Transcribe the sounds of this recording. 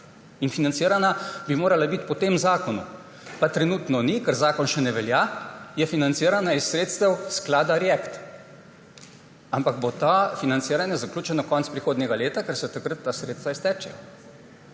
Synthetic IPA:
infinant̪siːɾanabimoːɾalabit̪pɔt̪eːmzaːkɔnṵ | pat̪ɾɛnuːt̪nɔnikɛɾzaːkɔnʃɛnɛʋɛljajɛfinant̪siːɾanaisːɾeːt̪st̪ɛwsklaːd̪aɾɛkt̪ | ampaɡbot̪afinant̪siːɾanjɛzaklʲuːt͡ʃɛnɔkɔntspɾixoːd̪nʲɛɡaleːt̪akɛɾsɛt̪akɾət̪ːasɾeːt̪st̪ʋaist̪ɛːt͡ʃɛ

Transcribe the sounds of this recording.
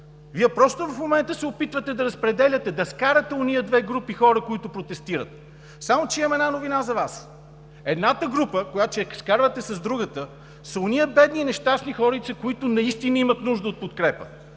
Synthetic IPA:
viɛpɾɔst̪ʊvɐfmomɛnt̪əsɛopit̪vət̪ɛd̪ɐɾɐspɾɛd̪ɛlʲɐt̪ɛd̪ɐskaɾət̪ɛonijəd̪vɛɡɾupixɔɾəkoit̪ʊpɾot̪ɛst̪iɾə̰t̪̚ | samot͡ʃɛimɛnanovinazɐvas | ɛd̪nat̪əɡɾupəkojat͡ʃɛskaɾvət̪ɛsɐzd̪ɾuɡət̪ə | sɐonijəbɛd̪niːnɛʃt̪asnixɔɾit̪səkoit̪ʊnɐist̪inəimət̪nuʒd̪əot̪̚pot̪kɾɛpə̰

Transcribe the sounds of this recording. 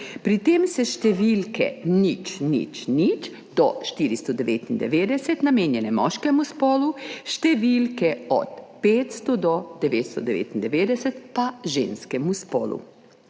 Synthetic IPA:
pɾit̪eːmsɛʃt̪ɛʋilkɛ̰nit͡ʃnḭt͡ʃnit͡ʃ | d̪ɔʃt̪iɾist̪ɔd̪ɛʋeːt̪ind̪ɛ̰ʋeːd̪ɛsɛt̪nameːnjɛnɛmɔʃkɛmuspɔːluʃt̪ɛʋilkɛɔ̰t̪peːt̪st̪ɔd̪ɔd̪ɛʋeːt̪st̪ɔd̪ɛʋḛːt̪ind̪ɛʋeːd̪ɛsɛt̪paʒeːnskɛmuspɔːlṵ

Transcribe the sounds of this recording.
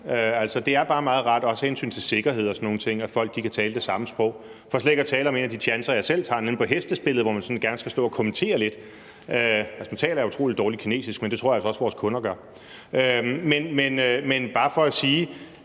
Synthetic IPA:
øæl̰sɒd̥e̝æɐb̥ɑ̈ːmɑ̈ːð̞̩ˠʁɑ̈d̥ɒ̽shensy̰ːnt͡sʰe̝lse̝ɡ̥ɐɦe̝ð̞̰ˠɒsɒnːo̝ːŋn̩ət͡sʰe̝ŋ̰æfɒ̽l̰ɡ̥d̥ikʰæt͡sʰɛːləd̥e̝sɑ̈məsb̥ʁɔ̽ʊ̰ | fɒ̽sleɡ̥æt͡sʰɛːləɒ̽me̝ːnæd̥it͡ɕʰjænsɐjɑ̈ɪsel̰t͡sʰɑ̈ːnen̩pʰɒ̽ɦesd̥əsb̥e̝l̰ð̩ˠʋɒmænsɒ̽nɡ̥æɐnəsɡ̥æsd̥ɔ̰̽ːɒkʰɒ̽mənt͡sʰe̝̰ːɐle̝d̥ | øælsmænt͡sʰɛ̰ːlɐæɐut͡sʰʁo̝̰ːlid̥ɒːli̥kʰine̝̰ːsisɡ̥mend̥e̝t͡sʰʁo̰ɐælsɒɒ̽sʋɒːskʰɔ̽nɐɡ̥ɶɐ | ømenmenømenb̥ɑ̈ːfɒ̽æsiː

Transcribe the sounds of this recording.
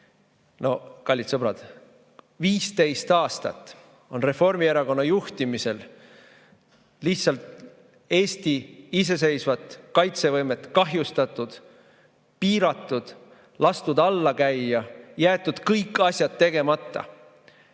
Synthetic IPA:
no̞kɑlʲːit̪sɤb̥ɾɑd̪̥ | viːst̪e̞jst̪ɑːst̪ɑ̰t̪ːˑ | o̞nre̞fo̞rmieɾɑko̞nːɑjuht̪imise̞l | liçt̪sɑlt̪ | e̞ːsʲt̪iis̬e̞s̬e̞jsvɑt̪ˑkɑjt̪se̞vɤjme̞t̪ːˑkɑɦjust̪ɑt̪ːˑud̪̥ | piːɾɑt̪ːˑud̪̥ | lɑst̪ud̪ɑlːɑkæjːɑjæːt̪ːˑud̪̥kɤjkˑːɑsʲjɑd̪̥t̪ːe̞ɡ̥e̞mɑt̪ːˑɑ̰

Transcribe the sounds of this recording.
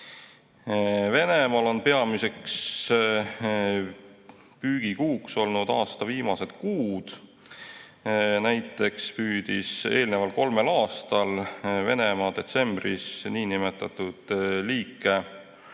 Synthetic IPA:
ve̞ne̞mɑlo̞npe̞ɑmise̞ks | pyːɡ̥ikuːkso̞lnud̪̥ɑːst̪ɑviːmɑse̞t̪kuːd̪̥ | næjt̪ːˑe̞kspyːd̪̥ise̞ːlnevɑlko̞lme̞lɑːst̪ɑlve̞̰ne̞mɑd̪̥e̞t̪se̞mbrisniːnimet̪ːˑɑt̪ːud̪̥liːkːˑe̞

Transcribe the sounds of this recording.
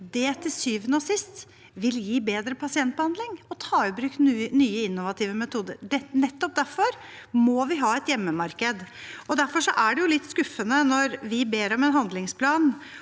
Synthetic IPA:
d̪ɛt̪ʰɪlsyːʋənəɔsɪst̪ | ʋɪljiːbeːd̪ɾəpʰɑsɪɛnt̪̚bəhɑnd̪lɪŋɔt̪ʰɑːʏbɾʉːkt̪nːnyːəɪnːʊʋɑt̪ʰɪːʋəmɛt̪ʰuːd̪ə̰ɾɖɛnɛt̪ːɔp̚d̪æɾfɔɾmɔʋɪɦɑːɛt̪jɛmːəmɑɾkəd̪ɔd̪æɾfɔʂɔʔæɖɛjʊlɪt̪ːskʉfːənənɔɾʋɪbeːɾɔmɛnɦɑnd̪lɪŋspʰlɑːn

